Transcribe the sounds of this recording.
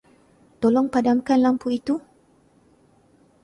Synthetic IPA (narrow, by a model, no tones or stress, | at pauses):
t̪olɔŋpadamkanlampuit̪u